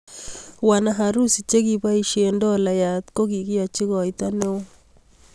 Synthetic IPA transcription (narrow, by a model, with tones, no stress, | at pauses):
wa˨na˨ɦa˨ɾu˦si˨t͡ʃe˦ki˨ba˦i˨ʃe˨ndɔ˦la˨ja˨t̪ko˦ki˨ki˦a˨t͡ʃi˦ɣɔ˨i˨ta˦ne˦o˦